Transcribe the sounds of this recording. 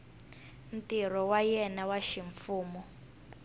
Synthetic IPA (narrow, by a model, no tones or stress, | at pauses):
n̩tir̤ɔwajɛnawaʃiɱfuːmɔ